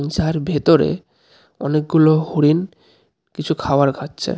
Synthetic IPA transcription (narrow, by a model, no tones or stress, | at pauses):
nsaeɾbʱet̪oɾḛ | ɔ̰nek̚ɡulohoɽin | kit͡ɕʰukʰaoaɾɡʱatːɕʰḛ